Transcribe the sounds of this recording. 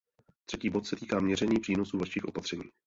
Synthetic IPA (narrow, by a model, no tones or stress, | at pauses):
t̪r̥ɛciːbo̞t̪sɛt̪iːkaːmɲɛrɛɲiːpr̥iːno̞suːvaʃiːxʔo̞pat̪r̥ɛɲḭː